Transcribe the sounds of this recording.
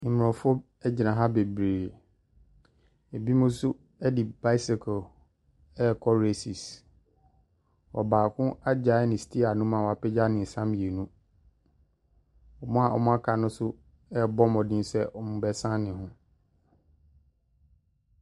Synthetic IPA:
m˨ɔ̃˨fɔ˦ | ɛ˦d͡ʑi˨nã˨ɦa˦be˨bɾeː˨ | e˨bi˦mʊ̃˦sʊ˦ | ɛ˦di˨ba˦ɪ˦sɪ˨kʰɔ˨ | ɛ˦˨kʰɔ˦ɾe˦si˨s | wɔ˨baː˨kʰʊ̃˦a˦d͡ʑa˨˦ɛ˦nɪ̃˨stʰi˦a˨nʊ̃˦mã˨wa˨pɛ˦d͡ʑa˦nɪ̃˨n̩˨sã˦mje˨nũ˦ | ɔ˨mʊ̃˦a˨ʔɔ̰˨mʊ̃˦a˦kʰa˨nʊ̃˦sʊ˦ | ɛ˦˨bɔ˦mɔ̃˨dɪ̃˦n˦sɛ˦ɔ˨mʊ̃˨˦bɛ˦sã˦nɪ̃˨hʊ̃˦

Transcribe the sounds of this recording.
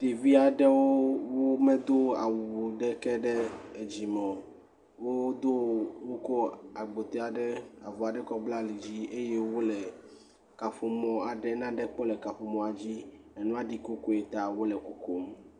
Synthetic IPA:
t̪e˨vi˦a˨ɖɛ˦wo˦wo˦mɛ̃˦d̪o˦a̰˨wu˨wo˨ɖɛ˦kɛ˦ɖɛ˦e˨d͡ʑi˨mɔ̃˨ | wo˦wo˦d̪o˦wo˦kɔ˦a˨ɡ͡bo˨t̪ɛ˦a˨ɖɛ˦a˨vɔ˨a˨ɖɛ˦kɔ˦bla˦li˨d͡ʑi˦ʔe˦je˦wo˦lɛ˨ | ka˨fo˨mɔ̃˨a˨ɖɛ˦nã˦ɖɛ˦k͡pɔ˦lɛ˨ka˨ɸo˨mɔ̃˨a˨d͡ʑi˦ | ɛ˨nũ˦a˦ɖi˨ko˦ko˦e˨t̪a˨wo˦lɛ˨ko˨ko˦m

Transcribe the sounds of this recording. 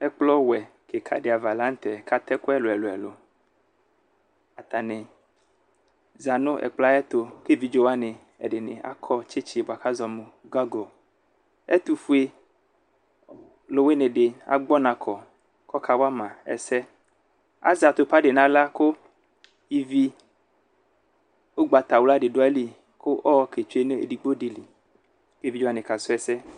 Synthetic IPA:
ɛ˦k͡plɔ˦wɛ˨ | ke˨kʰa̰˨ɖe˨a˨va˨la˦ŋ̩˦t̪ɛ˨ka˦t̪ɛ˦ko˦ɛ˦lo˨ɛ˨lo˨ɛ̰˨lo̰˨ | a˨t̪a˨nẽ˨ | za˨nõ˦ʔɛ̰˨k͡pla˦ɛ˦t̪o˨ke˦vi˨˦d͡ʒo˦wa˦nẽ˨ | ɛ̰˨ɖe˨nḛ̃˨ʔa̰˦kʰɔ˦t͡ʃe˦t͡ʃi˦˨ba˨ka˦zɔ˨mõ˨ɡɔ˦ɡɔ˨ | ɛ̰˦t̪u˨fu˦e˦ | lo˨we˦nẽ˨ɖe˨a̰˨ɡ͡bɔ˦nã˨kʰɔ˨ | kɔ˦kʰa˨wa˦mã˨ɛ̰˨sɛ˦ | a̰˦za˨t̪o˨pa˦ɖe˨nã˦la˦ko˦ | i˦vi˦ | wo˦ɡ͡ba˨t̪a˨wla˦ɖe˨ɖo˦a˦li˦ | ko˦ʔɔ˦ke˨t͡ʃu˦e˦nẽ˦ḛ˨ɖi˨ɡ͡bo˦ɖi˨li˨ | ke˦˨vi˦d͡ʒo˦a˨nẽ˨ka˨so˦ɛ˨sɛ˦

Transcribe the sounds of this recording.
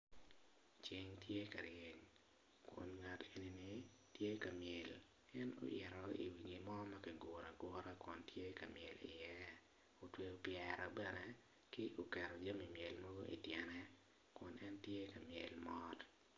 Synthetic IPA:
t͡ʃi˨ɲtje˦ka˨ɾje˨ɲ | kwɔ̰˨nŋa˨te˨ni˨ni˦ | tje˦ka˨mjɛ˨l | ɛ˦no̰˦ʔjɛ˨ɾɔi˨wi˨ɡi˨mɔ˦ma˦kɪ˨ɡʷɔ˨ɾa˨ɡɔ˦ɾa˦kwɔ˨ntʰje˦ka˨mjɛ˨lɪ̰˨jɛ˦ | o˨twe˦opjɛɾɔ˨bɛ˦nɛ˨ | kɪ˦ʔo˨kɛ˨ɾɔ˨d͡ʒo˦mi˨mjɛ˨lmo˦ɡo˦ʔḭ˨tjɛ˨nɛ˦ | kɔ˨nʔɛ˦ntje˦ka˨mjɛ̰˨lmɔ˦t

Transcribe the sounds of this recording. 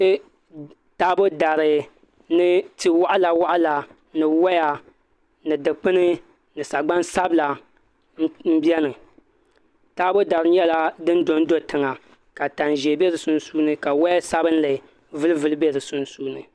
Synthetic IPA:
taː˦bo˦da˨ɾɨ˨ | nɨ˦ti˦wa˦ʔla˨wa˦ʔa˦la˨ | nɨ˨wa˦ja˨ | nɨ˨dɨ˨k͡pɨ˦nɨ˦ | nɨ˨sa˨ɡ͡ba˦nsa˦bla˨˦ | m̩˦bjɛ˦nɨ˨ | taː˦bo˦da˨ɾɨ˨n˦ɛ˦la˦dɨ˦n˦do˦n˦do˦tɨ˨ŋa˨ | ka˨ta˨nʒɛ˨be˦ɾɨ˨sʊ˦n˦suː˦nɨ˦ka˨wa˦ja˦sa˦bɨ˦n˦lɨ˨ | vɨ˦lɨ˦vɨ˦lɨ˦be˦ɾɨ˨sʊ˦n˦suː˦nɨ˨

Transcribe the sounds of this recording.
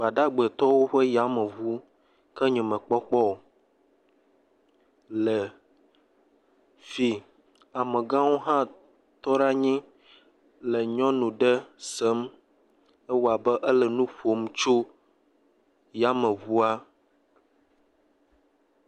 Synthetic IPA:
ba˨ɖa˦ɡ͡bə˨t̪ɔ˦wo˦ɸə˦ja˦mə̃˨βu˦ | kə˦ɲɛ̃˨mə̃˨k͡pɔ˦k͡pɔ˦˨ | lə˨ | fi˨ | a˨mə̃˨ɡã˦wo˦ɦã˦ | t̪ɔ˦ɖa˦ɲĩ˦ | lə˨ɲɔ̃˦nũ˨ɖə˦sə˦m | ə˦wo˨a˨bə˦ʔə˦lə˨nũ˦ɸo˨˦m˦t͡ʃo˦ | ja˨˦mə̃˨βu˦a˦

